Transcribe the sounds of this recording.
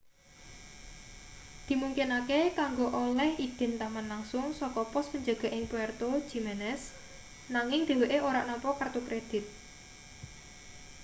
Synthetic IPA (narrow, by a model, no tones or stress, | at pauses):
d̪̥i̤muŋkɪnakekaŋɡoʔolɛhid̪̥ɛ̤nt̪aŋanlaŋsʊŋsɔkɔpɔspəɲd͡ʒa̤ɡ̥a̤ʔɪŋpuɛrt̪o̥ʒ̥imɛnɛs | naŋɪŋd̪̥e̤weʔeoɾaʔnɔmpɔkərt̪ukɾed̪̥ɪ̤t̪̚